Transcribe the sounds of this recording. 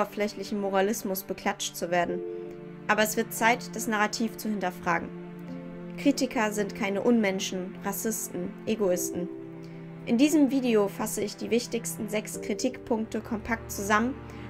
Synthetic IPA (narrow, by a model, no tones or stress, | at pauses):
ɐflɛçlɪçn̩moʁ̞alɪsmʊsb̥əkʰl̥at͡ʃt͡suveːɐdn̩ | ʔaːbɐɛsv̥ɪɐt̚t͡saɪtd̥asnaʁatʰiːft͡suhɪntɐfʁ̥aːɡŋ̩ | kʁ̥iːtɪkʰɐzɪntkʰaɪnəʔʊnmɛnʃn̩ʁasɪstn̩ʔeɡoɪstn̩ | ʔɪndiːzəmviːdeofasəɪçd̥iːvɪçtɪçstn̩zɛkskʁ̥itʰiːkpʰʊŋk̚təkʰɔmpʰak̚tt͡suzamən